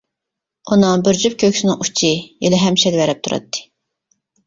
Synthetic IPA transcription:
unɨŋbyɾd͡ʒyp̚kʲʰøkʲsɪnɪŋu̥t͡ʃʰielɛɦɛmʃɛlvɛɾɛp̚t̪ʰuɾɑ̰t̪ʰːɨ̥

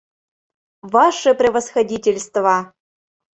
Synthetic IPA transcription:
vɑʂɘprʲevɐsxɐdʲitʲelʲst̪vɑ

